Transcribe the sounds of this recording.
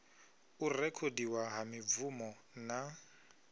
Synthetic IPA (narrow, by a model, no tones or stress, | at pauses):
ʊrɛkʰodiwaɦamɪb̪vumɔ | na